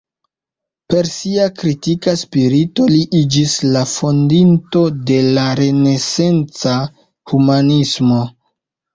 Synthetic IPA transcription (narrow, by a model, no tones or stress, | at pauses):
pe̞ɾsiakɾitikaspiɾito̞liʔid͡ʒislafo̞ndinto̞de̞laɾe̞ne̞se̞nt͡sa | humanismo̞